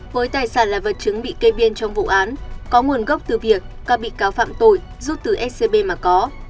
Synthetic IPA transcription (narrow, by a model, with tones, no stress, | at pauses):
vəː˨˦jt̪aː˨˩jsaː˧˩nlaː˨˩və˨˩t̚t͡ɕɨ˨˦ŋɓḭ˧˨ke˧ɓi˧ənt͡ɕɔ˧wŋ͡mvṵ˧˨ʔaː˨˦nkɔ˨˦ŋu˨˩ənɣə˦˥wk͡p̚t̪ɨ˨˩vi˨˩ək̚ːaː˧˩ɓḭ˧˨kaː˨˦wfa̰ː˧˨mt̪o˧˩j | zu˦˥t̚t̪ɨ˨˩ʔɛ˦˥se˧ɓe˧maː˨˩kɔ˨˦